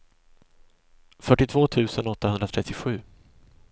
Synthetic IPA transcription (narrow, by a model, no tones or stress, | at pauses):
fœʈːɪt̪ʰvoːt̪ʰʉ̟ːsənɔt̪ʰːahɵnd̪ɾat̪ʰɾɛt̪ʰːɪɧʉ̟ː